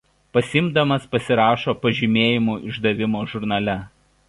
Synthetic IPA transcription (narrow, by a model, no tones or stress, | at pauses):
pɐsʲɪmd̪ɐmɐspɐsʲɪɾɑːʃoːpɐʒʲɪmʲeːjɪmuːʔɪʒd̪ɐʋʲɪmoːʒʊɾn̪ɐlʲɛ